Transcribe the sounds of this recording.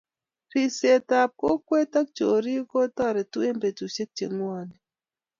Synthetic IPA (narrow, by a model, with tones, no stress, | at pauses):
ɾi˨se˨ta˨p̚ko˦kwe˦ta˦k̚t͡ʃo˨ɾi˦ko˦tɔ˦˨ɾɛ˨tu˦e˦mbe˨tu˨se˦k̚t͡ʃe˨ŋwɔ˦nɛ˨